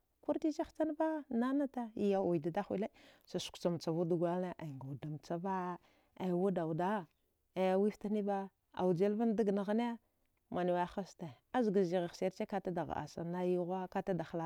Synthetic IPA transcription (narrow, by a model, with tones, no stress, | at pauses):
ku˦ɾti˦t͡ʃa˦xt͡sa˦n˦ba˦na˦na˦ta˦i˨˦ja˨u˨jda˨da˦xʷi˦le˦sa˨su̥˨kt͡sa˨m˨t͡sa˨vu˦du˨ɡa˦lna˦ʔa˨ŋɡa˨da˨mt͡sa˦ba˦ | a˨wu˦da˨wu˨da˦ | a˨ja˨wi˦fta˦ni˦ba˦ | a̰˨wu˨d͡ʒe˦lva˦n˦da˦ɡna˨ɣa˦ne˦ | ma˨ni˨wa˦xa˦sta˨a˦zɡa˨zi˨ɣe˨se˦ɾt͡ʃe˦ka˦ta˦da˨ɣ̰a̰˨sa̰˨na˦ju˦ɣa˦ka˦ta˦da˨xla˨˦